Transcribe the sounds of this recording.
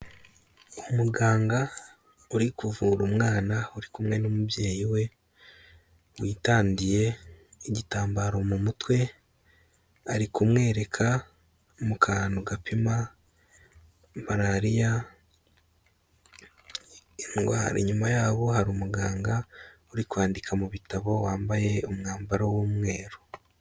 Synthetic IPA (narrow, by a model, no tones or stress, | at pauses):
umuɡaːŋɡa | uɾikuvuːɾumŋaːnauɾikumŋe̞nomubje̞ːjiwe̞ | wiːtaːndije̞iɟitaːmbaɾo̞mumutwe̞ | aɾikumŋe̞ːɾe̞kʰa | mukʰaːnoɡapʰima | maɾaɾija | nɡa̰ɾḭɲumajaːβo̞haɾumuɡaːŋɡauɾikwaːndikʰamuβitaβo̞waːmbaje̞umŋaːmbaɾawuːmŋe̞ːɾo